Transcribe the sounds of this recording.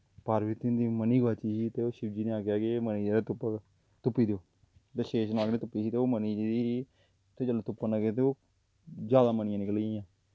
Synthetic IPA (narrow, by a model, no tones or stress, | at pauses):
paɾiːt̪ɪnd̪iːməniːɡaːt͡ʃiːsiːt̪eːoːʃɪbd͡ʒiːnẽaːkjaːkeməniːd͡ʒaːd̪at̪ʊp | t̪ʊpːiːd̪eoː | t̪eʃeːʃnaːkneːt̪ʊpːiːsiːt̪eːoːməniːd͡ʒiiː | t̪eːd͡ʒəlːt̪ʊpːanaket̪eoː | d͡ʒjaːd̪aːmənɪjãːnɪkəlːãː